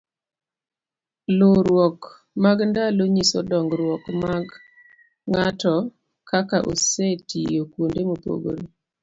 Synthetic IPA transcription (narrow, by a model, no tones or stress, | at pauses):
loɾwɔk | maɡndaloɲisɔdɔŋɡɾwɔkmaɡ | ŋatɔ | kakaʔo̰setijokwondemopo̰ɡo̰ɾi